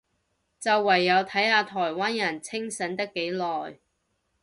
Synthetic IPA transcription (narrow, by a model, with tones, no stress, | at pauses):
t͡sɐ˨wːɐ˨˩jːɐ˨˧wt̪ʰɐ˨˥jhaː˨˧t̪ʰɔː˨˩jwaː˥njɐ˨˩nt͡sʰɪ˥ŋsɐ˨˧˥nt̪ɪ˥kːe˨˥jlɔː˨j